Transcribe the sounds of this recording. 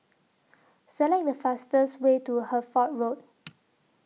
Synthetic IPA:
səlɛk̚dəfastəswetuhəfɔt̚ɹot̚

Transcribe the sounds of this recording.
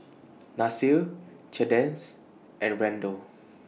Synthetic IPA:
nasil | t͡ʃɛdɛ̃ns | ʔɛ̃nɹɛ̃ndo

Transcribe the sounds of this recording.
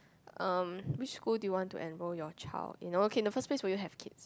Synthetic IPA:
ʔʌ̃mwɪt͡ʃskuldujuwɔ̃ntṵʔɛ̃nɹɔjɔt͡ʃʰa̰ldḭ̃nookʰeɪ̃ndəfəspleswɛjuɦɛvkʰɪts

